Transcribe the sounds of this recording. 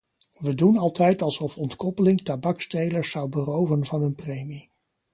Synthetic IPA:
ʋədunɑlˠtɛjtɑlˠsɔfɔntkɔpəlɪŋtabɑkstejləɹsɑwbərowvənvɑnɦɵnprejmi

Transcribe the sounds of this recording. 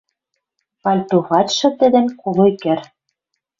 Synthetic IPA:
pɑlʲt̪uɣɑtʃɤ̆t̪ɘ̆d̪ɘ̆nkulujkɘ̆r

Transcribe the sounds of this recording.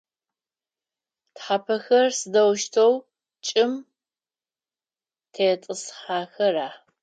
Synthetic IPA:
tħapʰɐxɐrsɨdɐwʃtʰɐw | t͡ʃʼɪm | tʰeːtʼɨsħaːxɐraː

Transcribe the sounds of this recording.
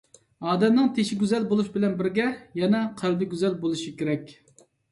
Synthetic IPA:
ɑːd̪ɛmnɨŋt̪ʰeʃiɡʲyzɛlbolˠuʃbɪlɛnbɪɾɡʲɛjɛnɛqʰælbɪɡʲyzɛlbolˠuʃikʲeɾɛkʲ

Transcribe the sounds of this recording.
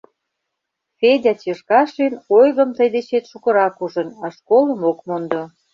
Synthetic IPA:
fedʲɑt͡ɕeʃkɑʃinojɣə̆mt̪əjd̪et͡ɕet̪ʃukə̆ɾɑkuʒə̆nɑʃkoləmokmond̪o

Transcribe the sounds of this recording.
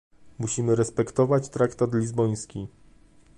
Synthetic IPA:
muɕimɘɾɛspɛkt̪ɔvat͡ɕt̪ɾakt̪at̪lʲizbɔj̃skʲi

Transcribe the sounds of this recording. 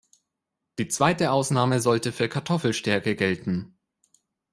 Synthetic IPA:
d̥iːt͡sv̥aɪtəʔaʊsnaːməzɔltəfyːɐkʰaɐtʰɔfl̩ʃtɛɐkəɡɛltn̩

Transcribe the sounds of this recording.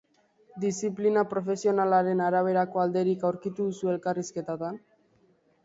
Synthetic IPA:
d̪isiplinapɾo̞fe̞sio̞nalaɾe̞naɾaβ̞e̞ɾako̞ald̪e̞ɾikawɾkit̪uðusue̞lkariske̞t̪at̪an

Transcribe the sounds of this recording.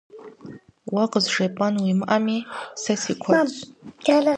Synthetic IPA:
waqʼəzʐapʼanwimʔamisasikʷʰḁ | l

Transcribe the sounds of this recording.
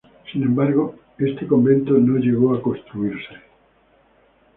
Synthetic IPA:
sinẽ̞mbaɾɣo | e̞st̪ekõ̞mbẽ̞nt̪ono̞ʝe̞ɣo̞ako̞st̪ɾuiɾse̥

